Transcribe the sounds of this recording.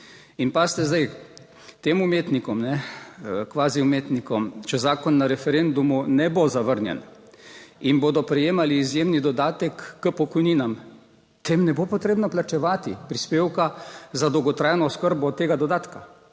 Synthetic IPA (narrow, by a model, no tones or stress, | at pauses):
inpaːst̪ɛzd̪aj | t̪eːmumeːt̪nikɔmnɛ | kʋaːziumeːt̪nikɔmt͡ʃɛzaːkɔnːaɾɛfɛɾend̪umunɛbozaʋəɾnjɛ̰n | inboːd̪ɔpɾɛjeːmaliːzjeːmnid̪ɔd̪aːt̪ɛkːəpɔkɔjniːnam | t̪eːmnɛbopɔt̪ɾeːbnɔplat͡ʃɛʋaːt̪ipɾispeːwkazad̪ɔwɡɔt̪ɾaːjnɔɔskəɾbɔt̪eːɡad̪ɔd̪aːt̪ka